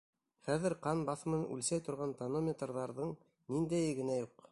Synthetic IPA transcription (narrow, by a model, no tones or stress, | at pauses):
χæðɘɾqɑnbɑθmɤ̆ʉ̰lsæjt̪ŏɾʁɑnt̪ɐnomʲet̪rðɑɾðɤɴ | nind̪æjɡɘ̆næjuq